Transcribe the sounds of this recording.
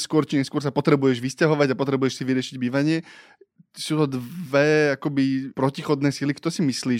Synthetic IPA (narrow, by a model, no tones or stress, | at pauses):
skʊɔɾt͡ʃiɲɛskʊɔɾsapɔt̪ɾɛbujɛʒʋiscaɦɔʋaɟapɔt̪ɾɛbujɛʃsiʋiɾɪɛʃiɟbiːʋaɲɪɛ | suːt̪ɔd̪ʋɛakɔbipɾɔcixɔd̪nɛːsilikt̪ɔɾɛsimisliː